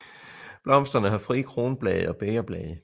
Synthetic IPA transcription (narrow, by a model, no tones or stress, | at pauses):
b̥lɒ̽m̰sd̥ʁɐnəɦɑ̈fʁḭːkʰʁo̝ːnb̥lɛ̰ːð̩ˠɒ̽b̥eɪɐb̥lɛ̰ːð̩ˠ